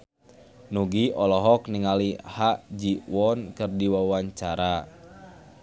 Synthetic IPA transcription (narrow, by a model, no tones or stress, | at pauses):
nuɡiɔlɔɦɔkniŋalihaʔd͡ʒiwɔnkɨrdiwawaɲt͡ʃaɾa